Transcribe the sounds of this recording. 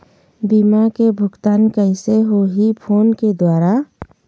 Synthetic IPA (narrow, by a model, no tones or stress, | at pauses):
biːmakebʱʊɡt̪aːnkəɪseɦoɦipʰoːnked̪waːɾa